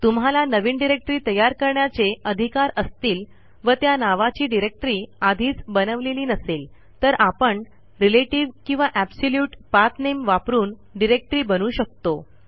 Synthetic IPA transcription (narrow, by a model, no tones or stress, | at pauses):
t̪umɦalanəʋiːnɖiɾek̚ʈɾiːt̪əjaɾkəɾɳjat͡seəd̪ʱikaɾəst̪iːl | ʋət̪janaʋat͡ɕiːɖiɾek̚ʈɾiːad̪ʱiːt͡sbənəʋleliːnəseːl | t̪əɾʔapəɳ | ɾileʈiʋkĩw̃ʋaʔæbsoljuːʈpaɾt̪nemʋapɾuːn | ɖiɾek̚ʈɾiːbənuːɕək̚t̪o